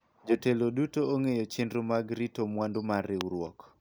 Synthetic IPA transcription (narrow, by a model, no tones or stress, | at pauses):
d͡ʒotelodutooŋejot͡ʃɪndɾomaɡɾitomwandʊmaɾɪwɾwɔk